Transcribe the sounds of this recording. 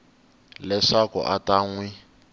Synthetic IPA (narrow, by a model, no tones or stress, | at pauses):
lɛʂakʊ̰ʔataːŋwi